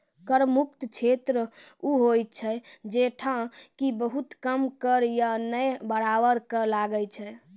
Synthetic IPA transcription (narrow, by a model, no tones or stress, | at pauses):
kəɾmuk̚t̪t͡ʃʰet̪ɾəuɦoj̪t͡ʃʰɛd͡ʒeʈʰãkibəɦut̪kəmkəɾjanəjbəɽaʋəɾkəlaɡət͡ʃʰɛ